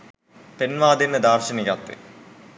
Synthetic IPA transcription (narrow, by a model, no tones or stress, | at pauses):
penʋaːd̪inːɨd̪aːrɕɐnijaːt̪ːɨ̰